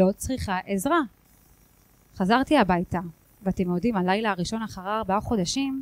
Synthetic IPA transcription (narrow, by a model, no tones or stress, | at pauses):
o̞t͡sʁiχaʔezʁa | χazaʁt̪iabajta | veatemodimalajlaːʁiʃo̞naχaʁaːʁbaaχodaʃim